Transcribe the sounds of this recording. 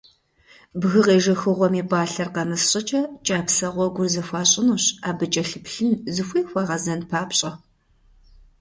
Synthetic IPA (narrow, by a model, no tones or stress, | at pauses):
bɣɨʁeːʒɐxɨʁʷɔmiːbʼaːɬɐrqɐmɨsɕʼɪt͡ʃʼɐt͡ʃʼaːpsɐʁʷɔɡʷʊrzɐxʷɑːɕʼɪnuːɕaːbɨt͡ʃʼɐɬɨpɬɨnzɨxʷiːxʷɐʁɐzɐnpʰaːpɕʼɐ